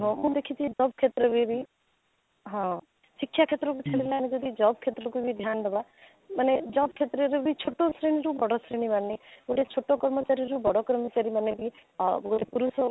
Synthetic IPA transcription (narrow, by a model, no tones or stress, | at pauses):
ɦõmũd̪ekʰit͡ʃʰid͡ʒɔbkʰet̪ɾɔbʱibʱi | ɦɔ̃ | sikʰːjakʰet̪ɾɔkut͡ʃʰalilaned͡ʒɔd̪id͡ʒɔb̚kʰet̪ɾɔkubʱid̪ʱjand̪ɔba | maned͡ʒɔbkʰet̪ɾɔɾebʱit͡ʃʰoʈːosɾeñiɾubɔɽɔsɾeñibanniuʈet͡ʃʰoʈːokɔɾmɔt͡ʃaɾiɾubɔɽɔkɾɔmɔt͡ʃaɾimanebʱiɡotepuɾusɔ